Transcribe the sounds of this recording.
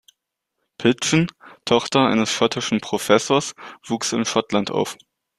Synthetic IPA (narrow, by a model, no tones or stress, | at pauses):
pʰɪsn̩tʰɔχtɐaɪnəsʃɔtʰɪʃn̩pʁ̥ofɛsoːɐsv̥uːksɪnʃɔtlantʔa̰ʊf